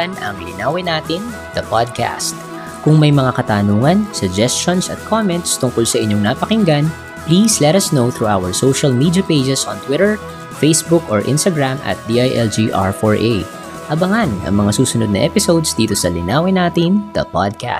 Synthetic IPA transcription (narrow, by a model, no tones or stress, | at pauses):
nɐ̰ŋlɪnaːwɪnaːt̪ɪn | d̪ɐpad̪̚ka̰st̪̚ | kʊŋmɐjmɐŋakɐt̪aːnuːŋɐnsʊɡd͡ʒɛst͡ʃonsɐ̰t̪̚kʰomɛnt̪st̪ʊŋkolsɐʔɪɲːoŋnaːpɐkɪŋɡan | pliːslɛt̪ɐsnowθɹuʔawɛɹsowʃɐlmiːd̪jɐpejd͡ʒɛsɔnt̪wɪɾɛɹ | fejsbukoɹʔɪ̰̃nst̪ɐɡɹamɐ̰t̪̚d̪iʔajʔɛld͡ʒiʔa̰ɹfɔɹʔe | hɐbɐŋanʔɐ̰ŋmɐŋasuːsʊnod̪̚nɐ̰ʔɛpɪsowd̪sd̪iːt̪o̞sɐlɪ̰naːwɪnaːt̪ɪnd̪̥ɐ̰pa̰d̪̚ka̰